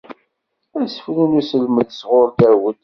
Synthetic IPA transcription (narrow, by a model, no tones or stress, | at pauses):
æsə̥fninusəlməðsʁoɾd̪æɾwəd̪